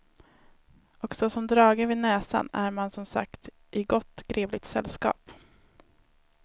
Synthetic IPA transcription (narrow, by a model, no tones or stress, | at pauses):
ɔksɔsɔmd̪ɾɑːɡəvɪnɛːsa̰næɾmansɔmsa̰kt̪ | ʔɪɡɔt̪ːɡ̥ɾeːvlɪt̪sɛ̰lːskɑ̰ːp